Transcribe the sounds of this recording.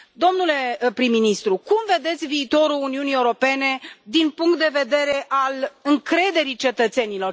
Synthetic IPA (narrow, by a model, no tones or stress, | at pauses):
d̪o̞mnule̞pɾimːinist̪ɾukumve̞d̪e̞t̪sʲviːt̪o̞ɾuluniunieuɾo̞pe̞ne̞d̪inpuŋkt̪̚d̪e̞ve̞d̪e̞ɾe̞ʔalɨŋkɾe̞d̪e̞ɾit͡ʃe̞t̪ət̪se̞nilo̞r